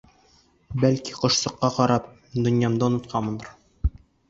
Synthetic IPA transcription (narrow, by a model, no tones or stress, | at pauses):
bælkiqɤ̆ʃsɤ̆qːɑqɒɾɑp̚ | d̪ɵ̆njɑmd̪ɑŏnɤ̆t̪̚qʰɑmɤ̆nɤɾ